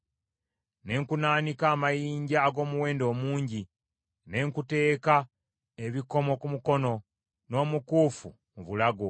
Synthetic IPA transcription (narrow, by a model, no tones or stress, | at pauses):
ne̞ŋkunaːnikaːmajiːɲɟaːɡo̞ːmuwe̞ːndo̞ːmuːɲɟi | ne̞ŋkute̞ːka | e̞βiko̞mo̞kumuko̞no̞ | no̞ːmukuːfu | muβulaɡo